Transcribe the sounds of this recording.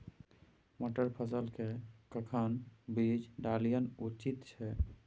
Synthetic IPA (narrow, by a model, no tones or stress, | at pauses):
moʈəɾpʰəsəlkekəkʰənbid͡ʒɖalijənut͡ʃit̪t͡ʃʰɛ